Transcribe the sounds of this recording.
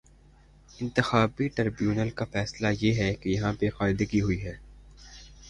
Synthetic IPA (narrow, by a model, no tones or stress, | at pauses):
ɪ̃nt̪ɪxaːbiʈɐɾbjuːnəlkafɛːslajeɦɛkejɐɦãpexaːɾɪd̪əɡiɦʊiɦɛː